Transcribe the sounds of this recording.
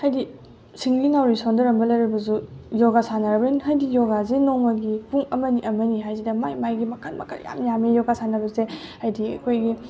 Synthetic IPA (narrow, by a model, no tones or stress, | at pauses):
hajdi | siŋliŋawɾisondɐɾɐmbɐlɐjɾibɐzujɔɡasanɐɾɐbɐinɦajdijɔɡazinoŋmɐɡipuŋɐmɐniʔɐmɐniɦajzidɐmajmajɡimɐkʰɐlmɐ̰kʰɐ̰lja̰mjamijɔɡasanɐbɐzehajdiɐ̰kʰojɡi